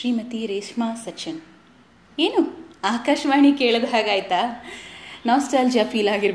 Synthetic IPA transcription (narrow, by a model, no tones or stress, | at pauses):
ʃɾiːmɐt̪iɾeːʂmaːsɐt͡ʃɐn | eːnuaːkaːʃɐʋaːɳikeːɭod̪uɦaːɡaːjt̪a | naːsʈɐɾld͡ʒaːpʰiːlaːɡiɾ